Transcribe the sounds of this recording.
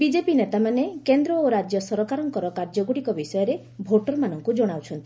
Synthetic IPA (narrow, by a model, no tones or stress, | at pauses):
bid͡ʒepinet̪amanekend̪ɾɔːɾad͡ʒjɔsɔɾɔkaɾɔŋkɔɾɔkaɾd͡ʒɔɡuɽikɔbisɔjɔɾe | bʱoʈɔɾmanɔŋkud͡ʒɔɽ̃awt͡ʃʰɔnt̪i̥